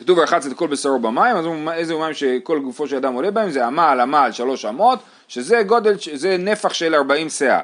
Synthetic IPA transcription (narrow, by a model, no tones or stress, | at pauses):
kḁtuvaχat͡set̪̚kolbesaobamaimazmaezeumaimʃeko̞lɡufo̞ʃead̪amo̞lebaemzeamaːlamaːlʃalo̞ʃamo̞t̪ | ʃeze̞ɡo̞d̪e̞lʃzene̞faχʃe̞laʁbaimsea̰